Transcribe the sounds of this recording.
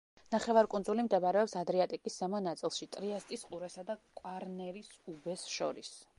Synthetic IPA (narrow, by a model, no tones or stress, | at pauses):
naχɛvaɾkʼunzulimd̪ɛbaɾɛɔpsad̪ɾiat̪ʼikʼisːɛmɔnat̪sʼilˠʃit̪ʼɾiast̪ʼisqʼuɾɛsad̪akʼwaɾnɛɾisubɛsʃɔ̰ɾḭs